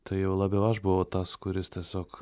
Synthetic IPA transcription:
t̪ɐɪjɛʊlˠɑːbʲɛʊɐʃbʊʋoʊt̪ɐskʊɾʲɪst̪ʲɛsʲoːk

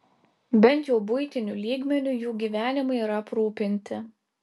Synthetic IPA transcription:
bʲɛnʲt̪ʲjɛʊbʊɪt̪ʲɪnʲulʲiːɡmʲɛnʲʊjuːɡʲiːʋʲæːnʲɪmɐɪiːɾɐpɾuːpʲɪnʲt̪ʲɪ

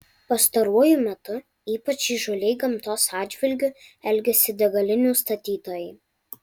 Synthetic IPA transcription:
pɐst̪ɐɾuɔjumʲɛt̪ʊ | iːpɐt͡ʃʲiːʒɔlʲɛɪɡɐmt̪oːsɑːd̪d͡ʒʲʋʲɪlʲɡʲʊɛlʲɡʲɛsʲɪd̪ʲɛɡɐlʲɪnʲuːst̪ɐt̪ʲiːt̪oːjɛɪ

